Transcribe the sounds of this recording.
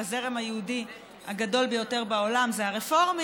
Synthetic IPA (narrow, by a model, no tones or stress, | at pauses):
aze̞ʁemajeudi | haɡado̞lbejo̞te̞ʁbaolamzeaʁefoʁm